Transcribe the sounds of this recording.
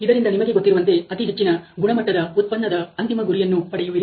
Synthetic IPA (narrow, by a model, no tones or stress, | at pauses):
id̪ɐɾind̪ɐnimɐɡeɡo̞t̪ːiɾuʋɐnt̪e̞ɐt̪iɦet͡ʃːinɐɡuɳɐmɐʈːɐd̪ɐut̪̚pɐnːɐd̪ɐɐnt̪imɐɡuɾijɐnːupɐɽejuʋiɾi